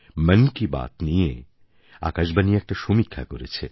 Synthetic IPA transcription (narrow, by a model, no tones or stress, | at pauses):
mənkiba̰t̪nije | a̰kaʃbaniɛk̚ʈaʃomikʰːakoɾet͡ɕʰe